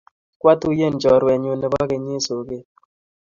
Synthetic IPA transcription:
kwa˦tu˦je˦˨nd͡ʒɔ˨ɾwɛ˨ɲo˨nɛ˨ba˦ke˨ɲe˦so˨ɡe˦

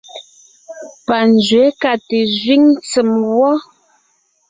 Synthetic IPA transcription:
pa˨n˨d͡ʒɥɛ˨˦ka˨te˨zɥi˦ŋt͡sə˨mwɔ˦

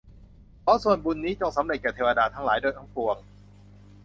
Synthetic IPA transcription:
pʰɔ˦˥su˨˩ənbu˧nːiː˦˥t͡ɕo˧ŋsa˨˩˦mɾe˨˩t̪̚kɛː˨˩t̪ʰːwa˧daː˧t̪ʰa˦˥laː˩˦jdoː˧˩jt̪ʰaː˦˥ŋpu˧əŋ

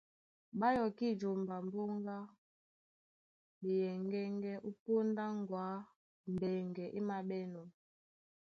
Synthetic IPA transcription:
ɓa˦jɔ˨ki˦˨d͡ʒo˨mba˨m˦bo˦ŋɡa˦ | ɓi˨jɛ˨ŋɡɛ˦ŋɡɛ˦ʔu˦po˦nda˦ŋɡwaː˨˦ | m˨bɛ˨ŋɡɛ˨ʔi˦ma˨ɓɛ˦nɔ˨

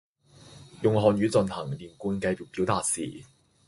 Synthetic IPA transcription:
jʊ˨ŋɦɔː˨nɥyː˨˧˥t͡sɵ˨nhɐ̰˨˩ŋliː˨˩nkuː˧nkɐ˧jpiː˨˩pi˨˥wt̪aː˨˧t̚sḭː˨

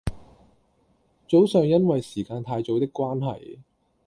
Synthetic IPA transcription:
t͡so˨˥wsœː˨ŋjɐ˥nwɐ˨jsiː˨˩kaː˧nt̪ʰaː˧jt͡so˨˧wt̪ɪ˥kːwaː˥nɦɐ̰˨j

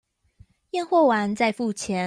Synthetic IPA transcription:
jɛ˥˧nxwɔ˥˩wa˧˥nt͡sa˥˧ɪfu˥˩t͡ɕʰjɛ˧˥

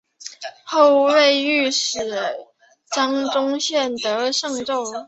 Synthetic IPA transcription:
xo˥˧ʊwe˥˧ɪy˥˩ʂɻ̩˨˩ | ʈ͡ʂɑ˥ŋʈ͡ʂʊ˥ŋɕjɛ˥˩nt̪ɤ˧˥ʂɤ˥˧ŋʈ͡ʂo˥˩ʊ

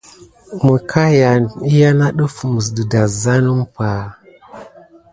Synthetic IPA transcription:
mə˨kʰa˦ja˨ni˦ja˦na˦ɗu˦fu˨mu˨s̬du˨da˨za˦nu˦m˦pa˨

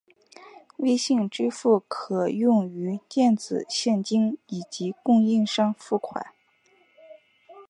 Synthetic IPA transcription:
we˥˧ɪɕi˥˧ŋʈ͡ʂɻ̩˥fu˥˩kʰɤ˨˩jʊ˥˩˧ŋy˧˥t̪jɛ˥˩nt͡sɹ̩˨˩ɕjɛ˥˩nt͡ɕi˥ŋi˨˩t͡ɕi˧˥kʊ˥˧ŋi˥˧ŋʂɑ˥ŋfu˥˩kʰwa̰˨˩˦n

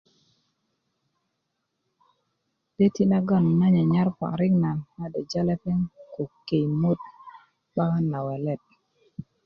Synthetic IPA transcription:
d̥e˦ti˦na˦ɡa˦˨n˨na˦ɲa˨ɲa˦ɾpa̰˨ɾɪ˦ŋna˨nma˦dɛ˨d͡ʒa˦lɛ˦pɛ˦ŋko˨ke˨jmo˦t̚ | ba˦ka˦na˨wɛ˨lɛ˨t̚

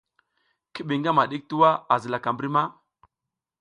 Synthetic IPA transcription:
ki˦ɓi˨ŋɡa˦ma˨ɗi˦k̚tu˦wa˦a˨zə˨la˨ka˨mbɾi˦ma˦

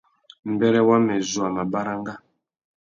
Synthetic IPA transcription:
m̩˨bɛ˦ɾɛ˦wa˦mɛ˨zu˨a˨ma˨ba˦ɾa˦ŋ˦ɡa˦

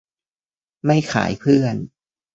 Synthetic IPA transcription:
ma˥˩jxʰa̰ː˩˦jpʰɯ˥˩ən

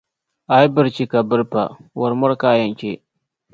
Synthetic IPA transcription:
a˨jbə˨ɾt͡ʃi˨ka˨bə˦ɾpa̰˨wa˨ɾmʊ˦ɾka˦ja˨ŋkʲe˦

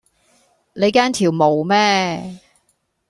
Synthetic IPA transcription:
ne˨˧jkaː˥nt̪ʰiː˨˩wmo˨˩wmɛː˥

